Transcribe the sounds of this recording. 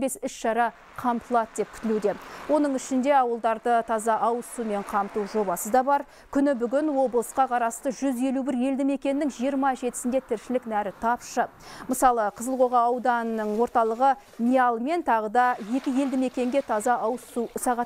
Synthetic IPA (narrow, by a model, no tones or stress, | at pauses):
be̞sʏʃʃɑɾɑ | qʰɑmt̪əlˠɑt̪d̪e̞p̚kʲʰʏ̥t̪ɪlud̪e̞wo̞nəɴʏʃɪnd̪e̞ɑwəlˠd̪ɑɾd̪ət̪ʰɑzɑʔɑwsume̞ɴqʰɑmt̪uʒo̞bɑsəd̪ɑbɑɾ | kʲʰʏnɪbʏɡʲɪnwo̞blˠəsqɑqʰɑɾɑst̪əʒʏze̞lubɪɾje̞ld̪ɪme̞kʲe̞nːɪŋʒijəɾmɑʒe̞t̪ɪ̥sɪnd̪e̞t̪ʰɪɾʃɪlɪknæɾɪt̪ʰɑpʃə | məsɑlˠəqʰəzəlˠʁo̞ʁɑːwd̪ɑnəɴwo̞ɾt̪ɑlˠəʁə | mʲijɑlˠme̞nt̪ʰɑʁəd̪ɑje̞kʲɪje̞ld̪ɪme̞kʲe̞ŋɡʲe̞t̪ʰɑzɑɑwsusɑʁɑt̪